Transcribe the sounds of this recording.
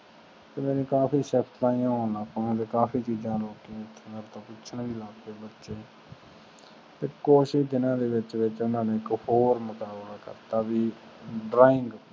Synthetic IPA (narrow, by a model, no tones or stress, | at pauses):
t̪eːmẽːnẽːkaːpiːsɛːpʰt̪ʰlaːĩjãːoːnaːkːãːt̪eːkaːfiːt͡ʃiːzãːloːkĩɪt̪ʰːnəɾt̪ãːpʊt͡ʃʰənʋiːlaːɡteːbətːʃeː | t̪eːkoːʃɪʃd̪ɪnãːd̪eːʋɪt͡ʃʋɪt͡ʃʊnãːnẽːɪkhoːɾməkaːblaːkə̰ɾt̪aːbiː | ɖɾaːɪŋɡ